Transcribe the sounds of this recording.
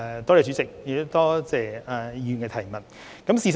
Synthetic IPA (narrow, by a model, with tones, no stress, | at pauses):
t̪ɔː˥leː˨˩t͡ʃyː˨˥t͡sɪ˨k̚jɪ˨t̪t̪ɔː˥t͡sɛː˨a˨˧jyː˨˧nkɛː˧t̪ʰɐ˨˩jmɐ˨˩t̚ | kɐ˨˥msiː˨˧s